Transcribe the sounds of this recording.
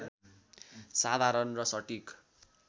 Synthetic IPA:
sad̪ʱaɾʌnrʌsʌʈik

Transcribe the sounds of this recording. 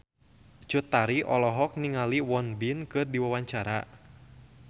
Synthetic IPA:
t͡ʃut̪ːaɾiʔɔlɔɦɔk̚niŋaliwɔnbinkɨrdiwawaɲt͡ʃaɾa

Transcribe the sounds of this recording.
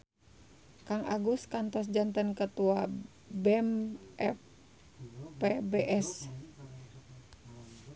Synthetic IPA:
kaŋʔa̰ɡuskant̪ɔsd͡ʒant̪ənkət̪ua | bɛmɛf | pebeʔɛs

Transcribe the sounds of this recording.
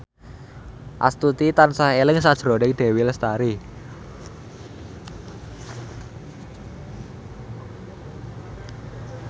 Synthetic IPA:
ʔa̰st̪ut̪it̪ansahelɪŋsad̥ʒ̥ɾɔnɪk̚d̪̥e̤wɪlst̪aɾi

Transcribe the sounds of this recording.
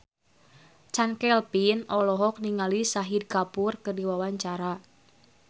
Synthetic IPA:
t͡ʃankɛlpinɔlɔɦɔk̚niŋalisaɦid̚kapurkɨrdiwawaɲt͡ʃaɾa

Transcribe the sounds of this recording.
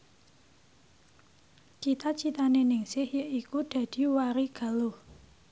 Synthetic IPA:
t͡ʃit̪at͡ʃit̪anenɪŋsɪhjəʔikud̪̥ä̤d̪̥i̤waɾiɡ̥a̤loh

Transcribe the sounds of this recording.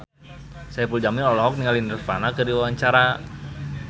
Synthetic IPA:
sajapuld͡ʒamɪnɔlɔɦɔk̚niŋalindərfanakədiwawaɲt͡ʃaɾa

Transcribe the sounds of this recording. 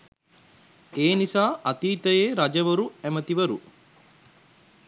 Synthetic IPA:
eːnisaːat̪iːt̪əjeːɾad͡ʒɐʋəɾuæmət̪iʋəɾu

